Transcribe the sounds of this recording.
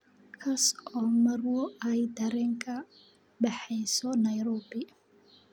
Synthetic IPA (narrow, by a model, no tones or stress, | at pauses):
kʰɐsɔːmɐrwɔɛjd̪ɐɾɛːŋkʰɐ | bɛħɛjsɔnɐjɾɔːbɪ